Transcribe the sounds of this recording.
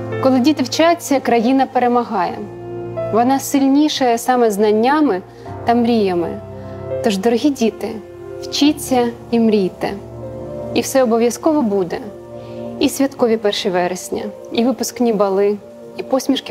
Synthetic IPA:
kɔlˠɪdʲit̪ɪwt͡ʃat͡sʲːɐkɾɐjinɐpeɾemɐɦɑjɛ̰ | ʋɔnɑsɪlʲnʲiʃɛjɛsɑmɛznɐnʲːamɪ | t̪ɐmɾʲijɐmɪ̰ | t̪ɔʒd̪ɔɾɔɦʲidʲit̪ɪ | wt͡ʃit͡sʲːɐ | imɾʲijt̪ɛ̰ | iwsɛɔbɔʋʲjɐskɔʋɔbud̪ɛ | isʲʋʲɐt̪kɔʋʲipɛrʃɪʋɛɾɪsʲnʲɐ̰ | iʋɪpʊsknʲibɐlˠɪ | ipɔsʲmʲiʃkɪ

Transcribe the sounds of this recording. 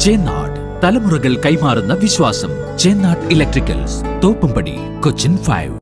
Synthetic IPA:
t͡ɕeːnːa̰ːʈ | t̪ɐlɐmurɐɣɐɭkɐjmaːrunːɐʋiɕʋaːsɐm | t͡ɕe̞ːnːaːrʈilek̚ʈrikʲːɐ̰ls | t̪oːpːumbɐɽḭ | kot͡ɕːinfɐ̰jʋ

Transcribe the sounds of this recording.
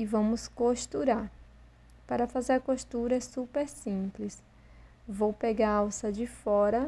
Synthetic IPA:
ɪvɐ̃mʊskoʃt̪uɾaɾ | paɾɐfazeɾkoʃt̪uɾɐssupeɾsĩplɪs | vowpeɡaɾawsɐd͡ʒɪfɔɾɐ

